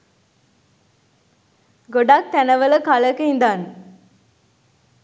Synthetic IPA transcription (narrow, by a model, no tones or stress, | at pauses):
ɡoɖak̚t̪ænəʋələkaləkəɦind̪aːn